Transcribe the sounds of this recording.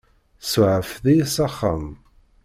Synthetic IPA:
sʕəfðijsɑχːa̰m

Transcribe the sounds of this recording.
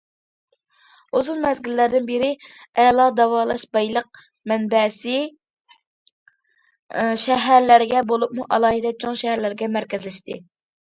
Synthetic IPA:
uzunmɛzɡʲilːæɾd̪ɪnbeɾɪɛlˠɑd̪ɑwɑːlˠɑʃbɑjlˠəq̚ | mɛnbɛsɪ | ʃɛɦæɾlɪɾɪɡʲɛbolˠupmuʔɑlˠɑːɦid̪ɛt͡ʃʰoŋʃɛhæɾlæɾɡʲɛmæɾkʲɛzlɪʃt̪ʰɪ̰

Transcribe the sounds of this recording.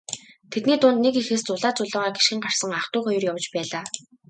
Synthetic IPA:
t̪ʰet̪niːt̪ʊːnt̪nekixeːst͡sʊɮaːt͡sʊɮɔːʁaːɡiʃxɘ̆ŋɢar̥sə̆ŋaχt̪ʊːχɔjɞ̆rjaw̆t͡ɕpæːɮaː

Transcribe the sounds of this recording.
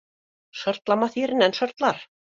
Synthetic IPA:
sœɾt̪lamaθjiɾɪnɛnsœɾ̥t̪laɾ̥

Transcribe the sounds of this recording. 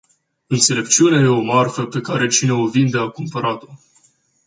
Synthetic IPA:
ɨnt̪se̞le̞pt͡ʃiuneje̞o̞marfəpe̞kaɾe̞t͡ʃine̞ovind̪eakumpəɾat̪o̞

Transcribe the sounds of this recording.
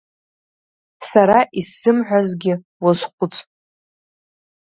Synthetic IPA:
saɾaʔisːɨmħʷᶣazɡʲɪ | wʊzqʷʊt͡sʰʼ

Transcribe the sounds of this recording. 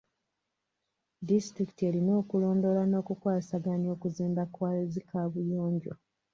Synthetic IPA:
distɾiki̥tie̞lino̞ːkulo̞ːndo̞lano̞ːkukwaːsaɡano̞ːkuziːmbakwaːlezikʰaːβujoːɲɟo̰

